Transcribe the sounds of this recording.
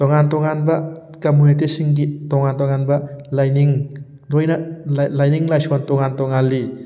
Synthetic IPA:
tɔŋantɔŋanbɐ | kamunit̬esiŋɡitɔŋantɔŋanbɐlajniŋ | lojnɐlajniŋlajsɔntɔŋantɔŋalːi

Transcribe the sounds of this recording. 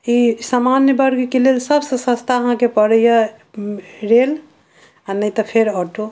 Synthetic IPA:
isamanjəbəɾɡkelelsəbsə̃sə̃st̪ʰaəɦãkepəɽəjə | ɾel | anəjt̪ɔpʰeɾɔʈo

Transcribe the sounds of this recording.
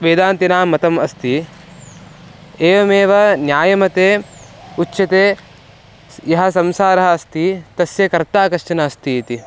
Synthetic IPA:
ʋeːd̪aːnt̪inaːmːɐt̪ɐmɐst̪i | eːʋɐmeːʋɐnjaːjɐmɐt̪eːutːʃɐt̪eː | jɐɦɐs̬ɐmsaːɾɐɦɐːst̪it̪ɐsjɐkɐɾt̪aːkɐʃt͡ʃɐnɐɐst̪iːt̪i

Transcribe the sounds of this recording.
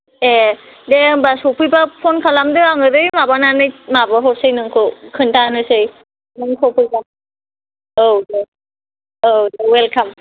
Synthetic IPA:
e | debasopʰɯjbapʰonkʰalamdɯaŋɯdɯjmabananɯjmabɔɦosɯjnɯŋkʰɯkʰɯntanɯsɯj | nɯŋkʰopʰɯjba | owde | odewɛlkʰam

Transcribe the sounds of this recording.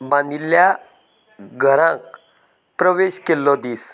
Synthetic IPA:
bãnilːja | ɡʱəɾãŋk | pɾəʋeɕkelːɔd̪iːs

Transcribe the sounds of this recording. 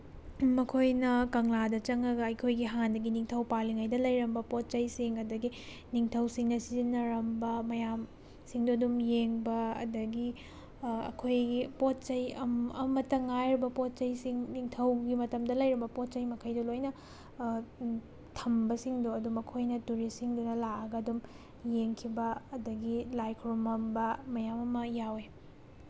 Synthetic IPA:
mɐkʰojnɐkɐŋladɐt͡ʃɐŋɐɡɐɐjkʰojɡiɦandɐɡiniŋtʰɐwpaliŋajdɐlɐjɾɐmbɐpot̚t͡ʃɐjsiŋɐdɐɡi | niŋtʰɐwsiŋnɐsizinːɐɾɐmbɐmɐjam | siŋdodumjeŋbɐɐ̰dɐɡi | ɐ̰kʰojɡipot̚t͡ʃɐjɐmɐmɐtːɐŋajɾibɐpot̚t͡ʃɐjsiŋniŋtʰɐwɡimɐtɐmdɐlɐjɾibɐpot̚t͡ʃɐjmɐkʰɐjdɐlojnɐ | tʰɐmbɐsiŋduɐdumɐkʰojnɐtuɾisiŋdunɐlaɐɡɐɐdum | jeŋkʰibɐɐdɐɡilajkʰɾumɐmbɐmɐjamɐmɐjawe

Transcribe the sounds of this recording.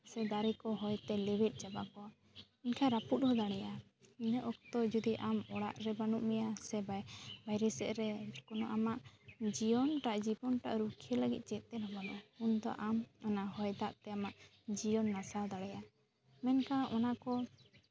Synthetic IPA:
sɛd̪aɾɛkɔɦɔjt̪ɛlɛwɛt̪̚ˀd͡ʒabakɔa | inkʰaɾaput̪̚ˀɔd̪aɽɛja | inəʔɔkt̪ɔd͡ʒud̪iʔamɔɽa̰ʔɾɛbanuʔmɛjasɛbajbajɾɛsɛʔɾɛkɔnɔʔamaʔd͡ʒijɔnʈaʔd͡ʒibɔnʈa̰ʔɾukʰɛləɡḭt̪̚ˀt͡ʃɛt̪̚t̪ɛnɔbanuʔapund̪ɔ̰ʔamɔnaɦɔjd̪aʔt̪ɛamaʔ | d͡ʒijɔnːasad̪aɽɛja | mɛnkaʔɔnakɔ

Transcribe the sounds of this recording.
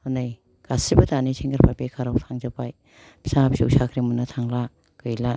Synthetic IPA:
hɔnɯj | ɡ̥asibɯtanisʰeŋɡaɾpʰajpekʰaɾawtʰaŋzapaj | bsapsṵwsakʰɾimɯnatʰaŋla | kɯjla

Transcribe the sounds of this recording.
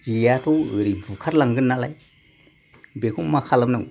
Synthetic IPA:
d͡ʒijatuəɾibukʰaɾlaŋɡɯnːalaj | bekʰuŋmakʰalamnɯ

